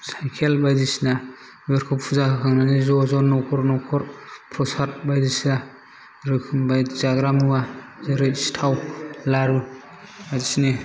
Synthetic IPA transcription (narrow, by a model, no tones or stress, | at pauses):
sajkʰelbajdisna | beɾkʰɔp̚pʰuzakakʰaŋnanizɔzɔnɔkʰɔɾnɔkʰɔɾpʰɾɔsat̚bajdisna | ɾɯkʰɯmbajzaɡɾamuazɯɾɯstʰawlaɾu | azisni